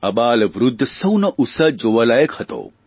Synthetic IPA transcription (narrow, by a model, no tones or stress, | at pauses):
ɐbaːlʋɾud̪ʱːsɐwnɐʔusɐd͡ʒoʋɐlaːjəkhɐt̪o̰ː